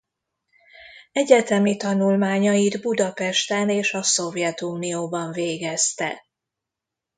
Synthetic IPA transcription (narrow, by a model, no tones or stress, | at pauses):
ɛɟɛt̪ɛmit̪ɒnulmaːɲɒid̪bud̪ɒpɛʃt̪ɛneːʃɒso̞vjɛt̪uːnijoːbɒɱveːɡɛst̪ɛ̰